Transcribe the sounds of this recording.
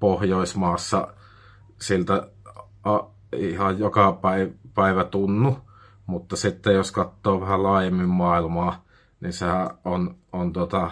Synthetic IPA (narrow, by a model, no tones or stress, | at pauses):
pohjoˑismɑːsːɑ | silt̪æ | ɑ | ihɑjjokɑpæˑipæˑiʋæt̪unːu | mut̪ːɑsit̪ːejoskɑt̪ːoːʋæhælɑˑːjemːimmɑˑilmɑː | ninsehæʔonʔont̪uot̪ɑ